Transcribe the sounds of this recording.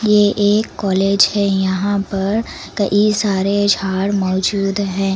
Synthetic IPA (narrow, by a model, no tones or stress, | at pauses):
jeʔeːkːɔːleːd͡ʒhɛjɐɦãpɐɾ | kɐʔisaːɾed͡ʒʱaːɽmɔːd͡ʒuːd̪ɦɛ̃ː